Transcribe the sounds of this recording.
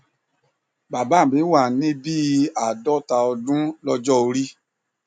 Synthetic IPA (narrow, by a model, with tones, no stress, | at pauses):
ba˨ba˨˦˨bi˨˦wa˨nĩ˦bi˦a˨dɔ˦˨ta˧ɔ˧dũ˦lɔ˧d͡ʒɔ˦o˧ɾi˦